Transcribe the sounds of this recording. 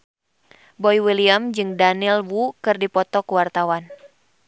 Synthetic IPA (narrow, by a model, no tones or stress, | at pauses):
bɔjwiliamd͡ʒɨŋdanilwukɨrdipɔt̪ɔkuwart̪awan